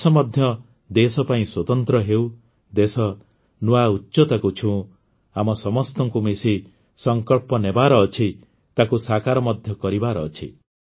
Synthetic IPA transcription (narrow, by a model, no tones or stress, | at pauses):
sɔmɔd̪ʱjɔ | d̪esɔpaĩswɔt̪ɔnt̪ɾɔɦew | d̪esɔ | nuautːʃɔt̪akut͡ʃʰũ | amɔsɔmɔst̪ɔŋkumesi | sɔŋkɔɭpɔnebaɾɔːt͡ʃʰi | t̪akusakaɾɔmɔd̪ʱjɔkɔɾibaɾɔːt͡ʃʰi